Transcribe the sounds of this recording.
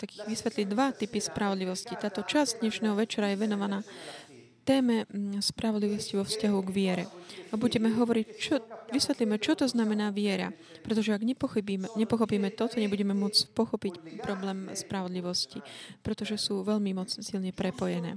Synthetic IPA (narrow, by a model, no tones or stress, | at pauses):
t̪akiɣʋisʋɛt̪liɟd̪ʋat̪ipispɾaʋɔd̪liʋɔscit̪aːt̪ɔt͡ʃazd̪ɲɛʃnɛːɦɔʋɛt͡ʃɛɾajɛʋɛnɔʋanaː | t̪ɛːmɛspɾaʋɔd̪liʋɔsciʋɔfscaɦuɡʋɪɛɾɛ̰abuɟɛmɛɦɔʋɔɾict͡ʃɔʋisʋɛt̪limɛt͡ʃɔt̪ɔznamɛnaːʋɪɛɾa̰ | pɾɛt̪ɔʒɛaɡɛpɔxiɲɛpɔxɔpiːmɛt̪ɔt̪ɔɲɛbuɟɛmɛmʊɔt͡spɔxɔpicpɾɔblɛːmspɾaʋɔd̪liʋɔscipɾɛt̪ɔʒɛsuːʋɛʎmimɔt͡ssilɲɛpɾɛpɔjɛnɛ̰ː